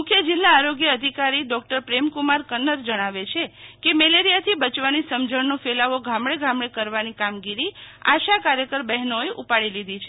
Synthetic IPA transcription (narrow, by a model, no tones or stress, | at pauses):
mʊkʰjəd͡ʒilːaːɾoɡjəəd̪ʱikaɾiɖɔk̚ʈəɾpɾemkumaɾkənːəɾd͡ʒəɽ̃aʋet͡ʃʰekemeleɾijat̪ʰibət͡ʃʋanisəmd͡ʒəɳnõfelaʋoɡʱamɽeɡʱãmɽekəɾʋanikamɡiɾia̰ʃakaɾjəkəɾbɛɦnoeʔupaɽilid̪ʱit͡ʃʰe